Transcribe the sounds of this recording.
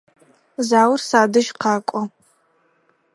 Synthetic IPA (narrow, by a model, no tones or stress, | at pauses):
zaːwrsaːdɨʒqʰaːkʷʼɔ